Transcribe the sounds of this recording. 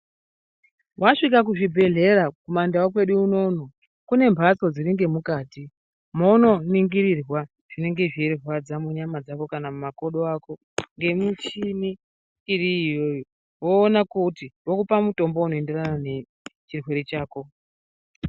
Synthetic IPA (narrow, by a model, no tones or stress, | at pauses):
waʂik̬ak̬uʐibʱe̞ɮe̞ɾakumandawakwe̞ɗuuno̞ːno | kune̞mbʱaso̞d͡ziɾiŋɡe̞mukaːti | mono̞niŋɡiɾirwa | ʐ̥ine̞ŋɡe̞ʐierrwad͡zamuɲamad͡zako̞kanamumako̞ɗo̞ako̞ | ŋɡe̞mut͡ʃiniː | ɾiːjo̞ːjo | woːnakutiwokupamuto̞mbo̞uno̞ende̞ranane | t͡ʃirwe̞ɾet͡ʃaːko̞